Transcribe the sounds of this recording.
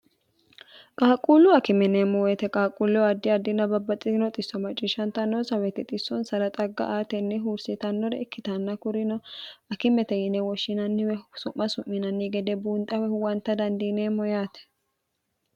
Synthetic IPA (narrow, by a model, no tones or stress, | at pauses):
kʼaːkʼuːlːʊɐkɪmɛneːmːɔwɛt̪ɛkʼaːkʼːulːɛɐd̪ːɪɐd̪ːɪnɐbɐbːɐt͡sʼɪnɔt̪ʼɪsːɔmɐt͡ʃʼːɪʃɐnt̪ɐnːɔsɐwɛt̪ɛt̪ʼɪsːɔnsɐɾɐt̪ʼɐɡːɐ̰ʔaːt̪ɛnːɛɦuːɾsɪt̪ɐnːɔɾɛɛkːɪt̪ɐnːɐkʊɾɪnɔɐkɪmɛt̪ɛjɪnɛwɔʃːɪnɐnːɪwɛsʊʔːɐsʊmːɪnɐnːɪɡɛd̪ɛbuːnt̪ʼɐwɛʊwɐnt̪ːɐd̪ɐnd̪ineːmːɔjaːt̪ɛ̥